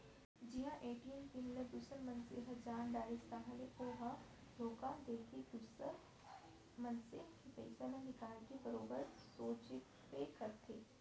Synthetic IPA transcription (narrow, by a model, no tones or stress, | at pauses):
d͡ʒɪɦãʔeːʈijənkimləd̪ʊsəɾmɐ̃nsḛːɦəd͡ʒaːnd̪aːɾist̪ãɦəleʔoɦã | ɖ̪ʱoːkãːd̪eːkʰid̪ʊsəɾ | mɐnseːɦkepɛ̰ːsemẽnɪkaːlkibɐɾoːbəɾsoːt͡ʃ | pekɐɾt̪ʰeː